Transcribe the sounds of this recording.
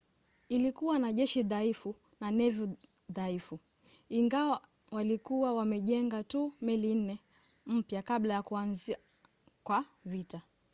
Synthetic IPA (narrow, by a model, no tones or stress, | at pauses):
ilikuwanaʄɛʃiðaifu | nanɛvu | ðaifu | iŋɡawa | walikuwawamɛʄɛŋɡatuːmɛlin̩nɛ | m̩pjakaɓlajakuanzia | kwavita